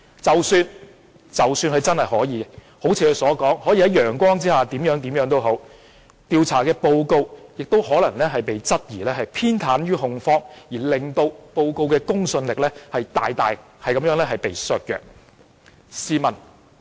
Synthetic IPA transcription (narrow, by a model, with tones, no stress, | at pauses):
t͡sɐ˨wsyː˧n | t͡sɐ˨wsyː˧nkʰɵ˧t͡sɐ˥nhɐ˨jɦɔː˨˥jiː˨˧ɛ | ho˨˥wt͡sʰi˧kɵ˧sɔː˨˥kɔː˨˥ŋhɔː˨˥jiː˧ɦɐ˨˥jjœː˨˩ŋkʷwɔː˥ŋt͡siː˥haː˨˩t̪iː˨˥mjœː˨˥ŋt̪iː˨˥mjœː˨˥ŋt̪o˥wɦo˨˥w | t̪iː˧wt͡sʰa̰ː˨˩kɛː˧po˧wko˧wjɪ˨k̚t̪o˥whɔː˨˥lɐ˨˩ŋlɛː˥ɦɐ˨jpe˨jt͡sɐ˥t̚jiː˨˩lɛː˥ɦɐ˨jpʰiː˥nt̪ʰaː˨˥nɥyː˥ɦʊ˨˧ŋfɔː˥ŋjiː˨˩lɪ˨ŋt̪o˧wpo˧wko˧wkɛː˧kʊ˥ŋsɵ˧nlɪ˨k̚lɛː˥hɐ˨jt̪aː˨jt̪aː˨j | hɐ˨jkɐ˨˦mjœː˨˥ŋlɛː˥ɦɐ˨jpe˨jsœː˧k̚jœ̰ː˨˩k̚ | siː˨˧mɐ˨˩n